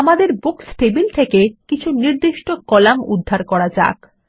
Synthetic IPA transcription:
amad̪eɾbuksʈebilt̪ʰekekit͡ɕʰuniɾd̪iʃʈokɔlamṵd̪ʱːaɾkɔɽad͡ʑa̰k

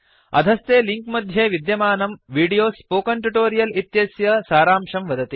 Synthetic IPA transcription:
ɐ̰d̪ʱɐst̪eːliŋkmɐd̪ʱjeːʋid̪jɐmaːnɐmʋiːɖijoːspoːkɐɳʈuʈoːɾijɐlit̪jɐsjɐsaːɾaːmʂɐmʋɐd̪ɐt̪i

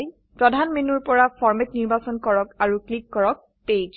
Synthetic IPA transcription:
j | pɹɔdʱanmenuɹpɔɹapʰɔɹmɛtniɹbasɔnkɔɹɔkaɹuklikːɔɹɔk̚ | pejd͡ʒ

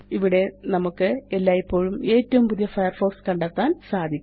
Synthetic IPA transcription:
iʋiɽe̞nɐmukːɨelːaːjipːo̞ːɻume̞ːtːɐʋumpuðijɐfɐjɐrfo̞ːkskɐɳɖaːk̪ːaːnsaːd̪ʱikʲː

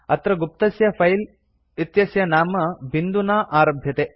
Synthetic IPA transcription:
ɐt̪ɾɐɡup̚t̪ɐsjɐfʰɐjl | it̪jɐsjɐnaːmɐbind̪unaːʔaːɾɐbʱjɐt̪eː

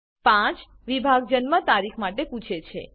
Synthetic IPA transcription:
pãt͡ʃ | ʋibʱaɡ̚d͡ʒənmət̪aɾikʰmaʈepũt͡ʃʰet͡ʃʰḛ

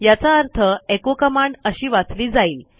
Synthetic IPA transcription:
jat͡saəɾt̪ʰəekokəmaɳɖəɕiːʋat͡sliːd͡zaiːl

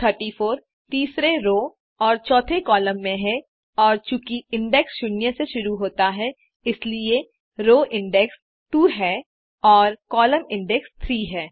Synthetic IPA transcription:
t̪ʰəɾʈifʰoːɾ | t̪iːsɾeɾoː | ɔːɾt͡ʃɔːt̪ʰekɔːləmːẽɦɛ | ɔːɾt͡ʃukiɪ̃ɳɖɛksʃʊnjəseʃʊɾuɦoːt̪aɦɛ | ɪslie | ɾoːʔɪ̃ɳɖɛks | t̪uːɦɛː | ɔːɾkɔːləmɪ̃ɳɖɛkst̪ʰɾiːɦɛː

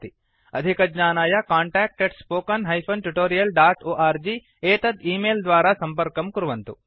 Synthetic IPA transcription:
t̪i | ɐ̰d̪ʱikɐd͡ʒɲaːnaːjɐkaːɳʈaːk̚ʈeɖspoːkɐnɦɐjpʰɐnʈuʈoːɾijɐlɖaːʈoːʔaːɾd͡ʒi | eːt̪ɐd̪iːmeːld̪ʋaːɾaːsɐmpɐɾkɐmkuɾuʋɐnt̪u

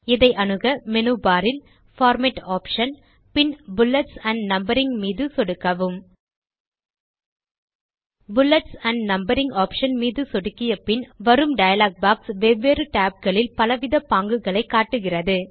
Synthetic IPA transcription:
ɪðɐɪʔɐnɯɣɐmɛnuːbaːɾɪl | faːɾmɛʈaːpʂɐn | pɪnbʊlːɐʈsɐɳɖnɐmbɐɾɪŋmiːðɯsɔɽɯkːɐʋɯm | bʊlːɐʈsɐɳɖnɐmbɐɾɪŋɡaːpʂɐnmiːðɯsɔɽɯkːɪjɐpɪnʋɐɾɯmɖɐjɐlaːk̚baːksʋɛʋːeːrɯʈaːp̚ɡɐɭɪlpɐlɐʋɪðɐpaːŋɡɯɣɐɭɐɪkːaːʈːɯɣɪrɐðɯ

